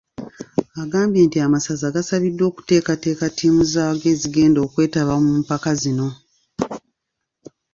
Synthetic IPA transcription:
aɡaːmbje̞ːntiamasazaɡasaβidːwo̞ːku̥te̞ːkate̞ːkatʰiːmuzaaɡe̞ːziɡe̞ːndo̞ːkwe̞ːtaβamuːmpakazino̞

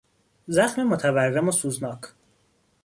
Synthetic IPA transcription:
zæxmimot̪ʰæværːemosuːznɒːkʰ

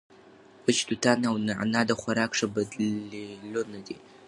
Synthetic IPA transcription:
ɨt͡ʃdutʰanawnɨʕa̰nadaχʷaɾakʰʂabadlilonɨde

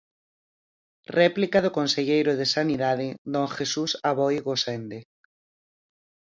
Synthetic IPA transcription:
rɛplikaðokõnseʎejɾoðesaniðað̞ed̪õŋxesusaβɔjɣosend̪e

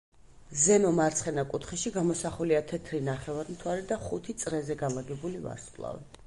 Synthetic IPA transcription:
zɛmɔmaɾt̪sʰχɛnakʼut̪ʰχɛʃiɡamɔsaχuliat̪ʰɛt̪ʰɾinaχɛvaɾmt̪ʰwaɾɛd̪aχut̪ʰit̪sʼɾɛzɛɡalaɡɛbuliva̰ɾsʼlˠa̰vɛ̰

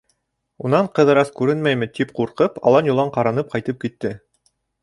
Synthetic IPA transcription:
unɑɴqɤ̆ðɤ̆ɾɑskʉɾɘnmæjmɘt̪ipquɾqɤpɑ̰lˠɑnjŭlˠɑɴqɑɾɑnɤp̚qɑjt̪ɤp̚kit̪ːɘ

